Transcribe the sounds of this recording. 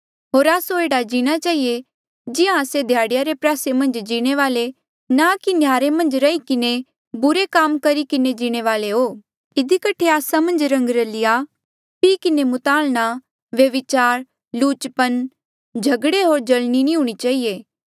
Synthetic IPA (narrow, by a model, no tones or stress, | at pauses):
ɦoːɾaːsoeːɽad͡ʒiːɽ̃at͡ʃaːɦije | d͡ʒɪjãəsed̪ʱjaːɽɪjaɾepɾaːsemɐ̃nd͡ʒd͡ʒiːɽ̃eʋaːle | nakinjaːɾemɐ̃nd͡ʒɾɐikɪne | bʊɾekaːmkɐɾikɪned͡ʒiːɽ̃eʋaːleɦoː | ɪd̪ʱikɐʈʰːeaːsamɐ̃nd͡ʒɾɐ̃ŋɡɾɐlɪja | piːkɪnemʊt̪aːlɽ̃a | ʋjɐʋɪt͡ʃaːɾ | luːt͡ʃpən | d͡ʒʱɐɡɽeɦoːɾd͡ʒɐlninĩɦuːɽ̃it͡ʃaːɦijeː